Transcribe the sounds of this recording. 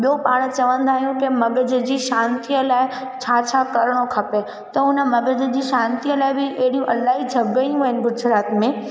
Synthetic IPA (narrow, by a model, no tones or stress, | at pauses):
ɓijopaːɽ̃̆t͡ɕɐʋə̃nd̪ʱaːɦijũkɪmɐɡəd͡ʑ̆d͡ʑiːʃãːnt̪iəlaːɪ | t͡ɕʰaːt͡ɕʰakɐɾɽ̃okʰɐpe | t̪ɐʊnə̆mɐɡəd͡ʑə̆d͡ʑiːʃãːnt̪iəlaːɪbɪʔɐɦɪɽijũʔɐlaːɦid͡ʑʱɐɡɐjũɦɐɦɪnɪ̆ɡʊd͡ʒɾaːt̪mẽ